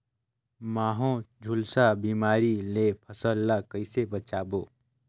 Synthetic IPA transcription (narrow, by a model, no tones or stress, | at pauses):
maːɦõd͡ʒʱʊlsabiːmaːɾilepʰəsəlːakəɪsebət͡ʃaːboː